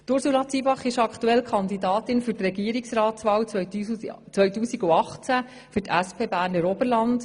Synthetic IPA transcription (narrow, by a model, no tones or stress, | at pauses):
tʊɾsulɑt͡sibɑχɪʃɑkʰtuɛlkʰχɑnd̪idɑːtɪnfʏɾtrɛɡiːəɾiksrɑːt̪sʋɑːw | t͡sʋœɥtuːsiɡuɑχt͡sæ | fʏrtʰæspʰeːbæːɾnəɾɔbəɾlɑnd